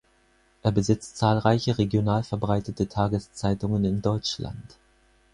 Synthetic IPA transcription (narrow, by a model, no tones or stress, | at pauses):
ʔeːɐbəzɪt͡stt͡saːlʁaɪçəʁeɡjonaːlfɛɐbʁaɪtətətʰaːɡəst͡saɪtʊŋənɪndɔʏt͡ʃla̰nt